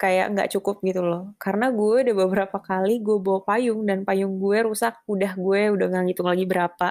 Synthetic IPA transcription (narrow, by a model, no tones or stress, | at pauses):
kaja̰ʔŋɡa̰ʔt͡ʃukʊp̚ɡit̪ulɔhkaɾənaɡuɛudabəbəɾapakaliɡuebopajʊŋdanpajʊŋɡuɛɾusak̚udahɡuɛudaŋaŋit̪ʊŋlaɡibəɾapa